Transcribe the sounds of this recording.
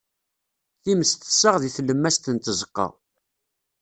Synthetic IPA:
θiməst̪ə̥sːəʁðiθləmːæst̪ənt̪əzəqːɑ̰

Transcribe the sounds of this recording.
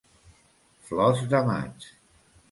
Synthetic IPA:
flɔzðəma̰t͡ʃ

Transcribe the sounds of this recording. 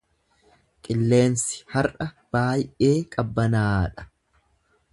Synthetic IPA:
kʼɪlːe̞ːnsɪ̥hɐɾɐ | b̥aːjʔe̞ːkʼɐbːɐnaːᶑɐ̥

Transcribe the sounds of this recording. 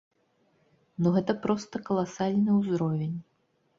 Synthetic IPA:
nuɣɛt̪ɐpɾɔst̪ɐkɐlˠasalʲnɨwzɾɔvʲenʲ

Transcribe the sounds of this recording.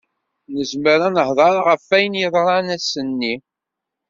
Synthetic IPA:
nəzməɾænəhðˤɑɾˤʁəfːæjənjəðˤɾˤɑnæsənːi

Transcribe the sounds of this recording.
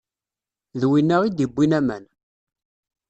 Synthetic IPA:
ðwinːəʁid̪ibːinæmæ̰n

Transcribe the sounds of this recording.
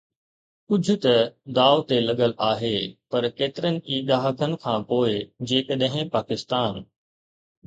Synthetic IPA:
kʊd͡ʑʱʊ̆t̪ɐd̪aːot̪elɐɠəlaːɦeːpɐɾkeːt̪ɪɾənɪ̆ʔiːɗaːɦəkʰənɪ̆kʰãːpoːɪd͡ʑeːkəɗɦɪ̃paːkɪst̪aːn

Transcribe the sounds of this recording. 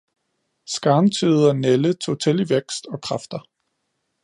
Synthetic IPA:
sɡ̥ɑ̈ːnt͡sʰið̩ˠɒnelət͡sʰo̝ːt͡sʰe̝liʋeɡ̥sd̥ɒ̽kʰʁɑ̈fd̥ɐ

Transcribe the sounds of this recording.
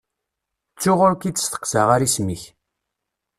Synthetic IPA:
t͡sːʊʁʊɾkit͡sːə̥st̪ə̥qsəʁaɾismiç

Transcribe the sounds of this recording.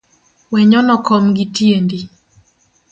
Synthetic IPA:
wɛɲɔnɔkɔmɡitjendi

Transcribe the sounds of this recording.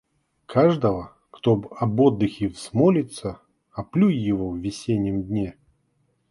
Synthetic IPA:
kʰaʐd̪əvə | kt̪obɐbod̪ːɨxʲɪvsmolʲɪt̪sə | ɐplʲujːɪvovːʲɪsʲenʲːjəmd̪ʲnʲe

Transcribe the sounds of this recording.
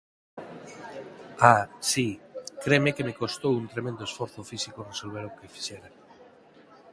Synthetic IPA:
asikɾemekemekost̪owunt̪ɾemẽnd̪oesfɔɾθʊfisikoresolβeɾokefi̥ʃeɾa

